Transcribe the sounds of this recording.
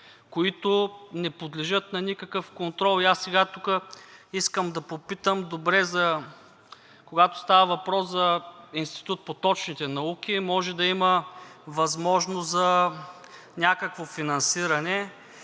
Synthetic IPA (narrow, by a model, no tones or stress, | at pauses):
koit̪ʊnɛpod̪lɛʒət̪nɐnʲikɐkəfkont̪ɾɔlˠiasːɛɡat̪ukəiskəmd̪ɐpopit̪əmd̪obɾɛzɐ | koɡat̪o̥st̪avəvɐpɾɔszɐinst̪i̥t̪ut̪̚pot̪ɔt͡ʃnit̪ɛnɐuk̟imɔʒɛd̪ɐiməvɐzmɔʒnoszɐ | nʲakəkvofinɐnsiɾɐnɛ